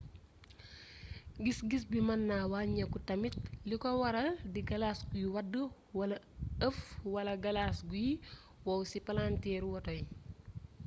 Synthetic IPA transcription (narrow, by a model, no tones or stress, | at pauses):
ɡisɡis̬bimɐnːawaɲɐkutɐmit̚likɔwɐɾɐldiɡɐlaːsɡujiwɐdːə | wɐlɐ | əfwɐlɐɡɐlaːsɡuji | wɐwsipɐlantɛːɾwɐtɔj